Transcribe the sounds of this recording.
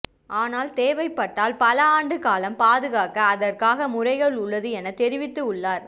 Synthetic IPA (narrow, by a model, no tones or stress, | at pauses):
ʔaːnaːlt̪eːʋɐɪpːɐʈːaːlpɐlɐaːɳɖɯkaːlɐmpaːðɯɣaːkɐːðɐrkaːɣɐmʊrɐɪɣɐɭʊɭːɐðɯɛnɐt̪ɛɾɪʋɪt̪ːɯʊɭːaːɾ